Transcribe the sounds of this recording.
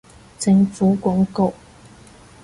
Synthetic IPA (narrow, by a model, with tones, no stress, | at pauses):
t͡sɪ˧ŋfu˨˥kwɔ˨˧˥ŋko˥˨ʊ